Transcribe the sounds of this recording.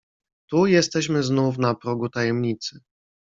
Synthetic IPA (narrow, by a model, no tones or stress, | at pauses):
t̪ujɛst̪ɛɕmɘznufnapɾɔɡut̪ajɛmɲit̪sɘ